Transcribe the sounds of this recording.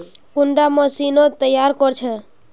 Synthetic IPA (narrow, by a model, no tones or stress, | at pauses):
kʊɳɖamə̃sinot̪əjaɾkɔɾt͡ʃʰɛ